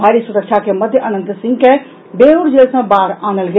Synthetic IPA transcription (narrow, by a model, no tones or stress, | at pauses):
aɾisuɾəkt͡ʃʰakeməd̪ʱjəʔənənt̪sĩŋɡke | beɦuɾd͡ʒelsə̃baɾanəlɡe